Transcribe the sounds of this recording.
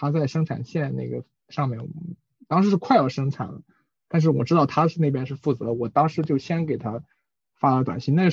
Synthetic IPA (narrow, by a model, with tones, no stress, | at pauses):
t̪ʰa˥t͡sa˥˩ɪʂɤ˥ŋʈ͡ʂʰa̰˨˩nɕjɛ˥˧nne˥˩ɡə˩ | ʂɑ˥˧ŋmjɛ˥˩n˧ | t̪ɑ˥ŋʂɻ̩˧˥ʂɻ̩˥˧kʰwa˥˩ɪlʂɤ˥ŋʈ͡ʂʰa̰˨˩˦nlə̰˦ | t̪a˥˧nʂɻ̩˥˩wɔ˨˩ʈ͡ʂɻ̩˥t̪ɑ˥˩ʊt̪ʰa˥ʂɻ̩˥˧ne˥˩ɪpjɛ˥nʂɻ̩˥˧fu˥˩t͡sɤ˧˥˧wɔ˨˩t̪ɑ˥ŋʂɻ̩˧˥t͡ɕjo˥˩ʊɕjɛ˥nke˨˩ɪt̪ʰa˥ | fa˥lt̪wa̰˨˩nɕi˥ŋn˥˩ɡə˧